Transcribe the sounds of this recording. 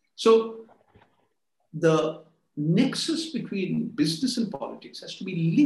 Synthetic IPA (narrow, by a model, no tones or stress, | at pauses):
soː | d̪ə | nɛksəsbɪʈʰwĩːnbɪznɨsə̃npɔ̰lɪʈɪkshæz̥ʈubilɪ̃